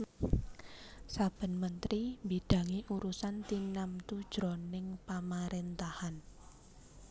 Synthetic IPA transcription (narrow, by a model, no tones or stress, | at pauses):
sab̥ə̤nmənt̪ɾimbid̥ä̤ŋiʔuɾusant̪inamt̪ud̥ʒ̥ɾonɪŋpamaɾent̪ahan